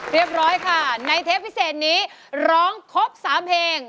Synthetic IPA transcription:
ɾi˦˥˩əp̚ɾɔː˦˥jkʰa˥˩na˧jt̪ʰeː˦˥pʰːi˦˥seː˨˩t̪̚niː˦˥ɾɔː˦˥ŋkʰo˦˥p̚saː˩˦mpʰeː˧ŋ

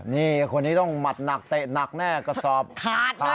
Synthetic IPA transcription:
niː˥˩kʰo˧nːiː˦˥t̪ɔ˥˩ŋma˨˩t̪̚na˨˩k̚t̪e˨˩na˨˩k̚nɛː˥˩kɔ˥˩sɔː˨˩p̚kʰaː˦˥t̪̚ʰ

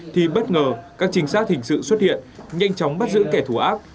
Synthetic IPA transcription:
t̪ʰi˨˩ɓə˦˥t̚ŋəː˨˩kaː˦˥k̚t͡ɕï˨˦ŋ̟saː˦˥t̚hï˨˩ŋ̟sɨ̰˧˨swə˦˥t̚hḭ˧˨ənɲa̰˧jŋ̟t͡ɕɔ˨˦wŋ͡mɓə˦˥t̚zɨ̰˧˥kɛ˧˩t̪ʰu˧˩ʔaː˦˥p̚

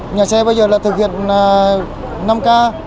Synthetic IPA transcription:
ɲaː˨˩sɛ˧ɓaː˧wzəː˨˩laː˨˩t̪ʰɨ˨˩k̚hḭ˧˨ənː˨˩ | na˧mkaː˧

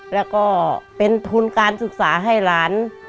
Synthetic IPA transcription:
lɛː˧˩wkɔː˥˩pe˧nt̪ʰu˧nkaː˧nsɯ˧˩k̚saː˩˦ɦa˥˩jlaː˨˦n

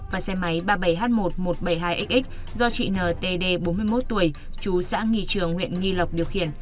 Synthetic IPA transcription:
vaː˨˩sɛ˧ma˨˦jɓaː˧ɓə˧˩jɦaː˦˥t̚mo˨˩t̚mo˨˩t̚ɓə˧˩jɦaː˧jʔi˦˥k̟̚ʔi˦˥k̟̚ | zɔ˧t͡ɕḭ˧˨nəː˨˩t̪e˧ɗe˧ɓo˨˦nmɨ˧əjmo˦˥t̚t̪u˧˩əj | t͡ɕu˨˦sa̰ː˧˥ŋḭ˧˨t͡ɕɨ˧˩əŋhwḭ˧˨ənŋi˧lə˨˩wk͡p̚ɗi˨˩əwxḭ˧˩ən

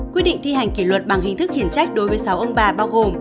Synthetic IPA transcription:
kwt̚ɗḭ˧˨ŋ̟t̪ʰi˧ɦa˨˩jŋ̟ki˧˩lwə˨˩t̚ɓa˨˩ŋhï˨˩ŋ̟t̪ɨ˦˥k̚hi˨˧˩ənt͡ɕa˦˥jk̟̚ɗo˨˦jvəː˨˦jsa˨˦wʔə˧ŋ͡mɓaː˨˩ɓaː˧wɣo˨˩m

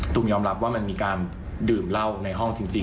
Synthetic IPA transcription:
t̪ʰu˧˩ŋjɔː˧mɾa˦˥p̚waː˥˩ma˧nmiː˧kaː˧n | dɯː˨˩mla˥˩wna˧jɦɔ˥˩ŋt͡ɕi˧ŋt͡ɕi˧

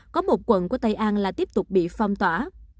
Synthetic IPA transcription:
kɔ˨˦mo˨˩t̚kwə̰˧˨nku˧˩ət̪a˧jʔaː˧nlaː˨˩t̪i˦˥p̚t̪ʊ˨˩k͡p̚ɓḭ˧˨fa˧wŋ͡mt̪waː˧˩

